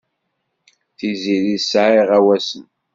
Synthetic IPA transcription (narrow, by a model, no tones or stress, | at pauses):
θiziðisʕiʁæwæsən